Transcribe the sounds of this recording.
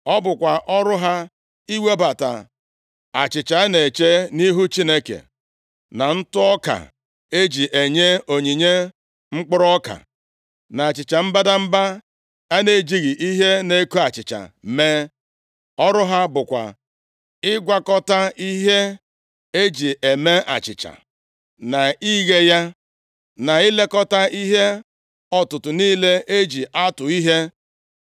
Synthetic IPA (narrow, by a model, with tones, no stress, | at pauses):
ɔ˦bʊ˨kʷa˨ʔɔ˦ɾʊ˦ɦa˦ | i˦we˦ba˨ta̰˨ | a̰˨t͡ʃɪ˨t͡ʃa˨a˦ne˨t͡ʃe˦ni˦ɦu˦t͡ʃi˦ne˦kḛ˨ | na˨n̩˦tʊ˦ɔ˦ka̰˨ | e˦d͡ʒi˨ʔe˨ɲe˦o˨ɲi˨ɲe˦ | ŋ͡m̩˦k͡pʊ˦ɾɔ˦ka̰˨ | na˨a˨t͡ʃɪ˨t͡ʃa˨m̩˦ba˦da˦m̩˦ba˦ | a˦ne˨d͡ʒi˦ɣi˨ʔi˦ɦe˦ne˦ku˦a˨t͡ʃɪ˨t͡ʃa̰˨me˦ | ɔ˦ɾʊ˦ɦa˦bʊ˨kʷa̰˨ | ɪ˦ɡʷa˦kɔ˦ta˦i˦ɦe˦ | e˦d͡ʒi˨e˨me˦ʔa̰˨t͡ʃɪ̰˨t͡ʃa̰˨ | na˨i˦ɣe˦ja˦ | na˨ɪ˦le˦kɔ˦ta˦i˦ɦe˦ | ɔ˦tʊ˨tʊ˨niː˦le˦ʔe˦d͡ʒi˨ʔa˦tʊ˨i˦ɦe˦